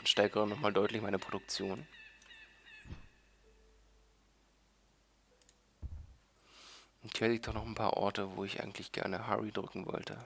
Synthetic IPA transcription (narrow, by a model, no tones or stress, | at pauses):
nʃtɛɐkəʁənɔχmaːldɔʏtlɪçmaɪnəpʁ̥odʊk̚t͡sjoːn | ʊnthiːɐliːk̚td̥ɔχnɔχnpʰa̰ːɐʔɔ̰ɐtəvo̰ːɪçʔa̰ɪɡŋ̩tʰlɪçɡ̥ɛ̰ɐnəɦa̰ʁidʁʏkŋ̩vɔ̰ltʰə̰